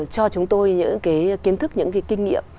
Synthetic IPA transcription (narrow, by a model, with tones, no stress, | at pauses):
t͡ɕɔ˧t͡ɕʊ˨˦ŋ͡mt̪o˧jɲɨ̰˧˥ŋkaː˨˦jki˨˦ənt̪ʰɨ˦˥k̚ɲɨ̰˧˥ŋvi˨˦kːï˧ŋnḭ˧˨əm